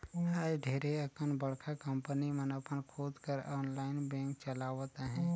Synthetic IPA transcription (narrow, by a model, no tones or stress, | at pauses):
haɾɖʱeːɾeəkənbəɽ̤kʰakəmpənimənəpənkʰoːd̪kəɾɔːnlaːɪnbɛ̃ːŋkt͡ʃəlaːʋət̪aɦɛ̃ː